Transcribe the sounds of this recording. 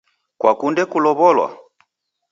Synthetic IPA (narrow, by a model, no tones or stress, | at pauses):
kwakundɛkulɔβɔlwa̰